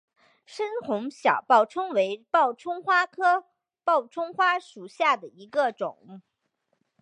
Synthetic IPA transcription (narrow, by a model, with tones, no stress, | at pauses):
ʂə˥nxʊ˧˥ŋɕjɑ̰˨˩ʊpɑ˥˩ʊʈ͡ʂʰɤ˥ŋwe˧˥ɪpɑ˥˩ʊʈ͡ʂʰʊ˥ŋxwa˥kʰɤ˥ | pɑ˥˩ʊʈ͡ʂʰʊ˥ŋxwa˥ʂu˨˩ɕja˥˩d̪ə˩i˧˥ɡə˧ʈ͡ʂʊ̰˨˩˦ŋ